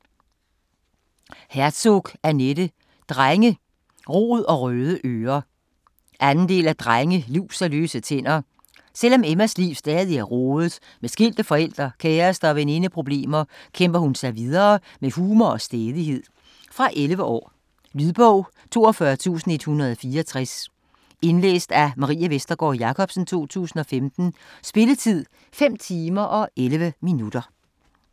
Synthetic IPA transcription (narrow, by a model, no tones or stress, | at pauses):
hæɐ̥sɔɡ̥æɐneɾə | d̥ʁaŋə | ʁo̝̰ːð̩ˠɒ̽ʁøːð̞ˠəʔøːɐ | ʔænn̩d̥e̝̰ːlæd̥ʁaŋəliʊ̰sæløːsət͡sʰen̰ɐ | sel̰ɒ̽memæsliːʊsd̥ɛːðˠiæɐʁɔːðˠð̩ˠ | mesɡ̥il̰d̥əfɒ̽el̰d̥ʁɐkʰɛːɐsd̥ɐːʋene̝nəpʰʁo̝b̥le̝̰ːmɐkʰem̰b̥ɐhunsɑ̈ɪʋið̞ˠɐː | mehuːmɐɒ̽sd̥eːð̞ˠihe̝ð̰ˠ | fʁɑ̈ʔelʋəʔɒ̰ː | lyðˠb̥ɔʊ̰ | t͡sʰo̝ːɒfɶɐt͡sʰṵːsn̩e̝d̥hunɐð̞ˠɒ̽fiːɐɒt͡sʰʁas | e̝nlḛːsd̥æmɑ̈ʁḭːæʋesd̥ɐɡ̥ɒ̰ːjɑ̈kʰɒ̽b̥sn̩t͡sʰo̝̰ːt͡sʰṵːsn̩ɒ̽femd̥n̩sb̥e̝lət͡sʰið̞̰ˠ | fem̰t͡sʰiːmɐʔɒ̽ʔelʋəminud̥ɐ